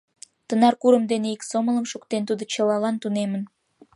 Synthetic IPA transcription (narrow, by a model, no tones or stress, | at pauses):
t̪ənɑrkuɾəmd̪eneiksomələmʃukt̪ent̪ud̪ot͡ɕəlɑlɑnt̪unemən